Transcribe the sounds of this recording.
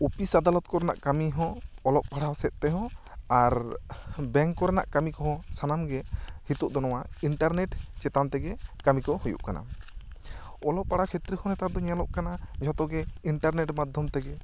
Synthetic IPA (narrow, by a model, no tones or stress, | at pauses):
upisad̪alɔt̪̚kɔɾɛna̰ʔkamiɦɔ̃ːlɔʔ̚paɽasɛt̪̚t̪ɛɦɔ̃ | aɾ | bɛŋkːɔɾɛna̰ʔkamikɔɦɔsanamɡɛhit̪uʔd̪ɔnɔwaiɳʈaɾnɛʈt͡ʃɛt̪ant̪ɛɡɛkamikɔhujṵʔkana̰ | ɔlɔʔpaɽakʰet̪ɾihɔ̃nɛt̪aɾd̪ɔɲalɔʔkanad͡ʒʱɔt̪ɔɡɛiɳʈaɾnɛʈmad̪ʱjɔmt̪ɛɡɛ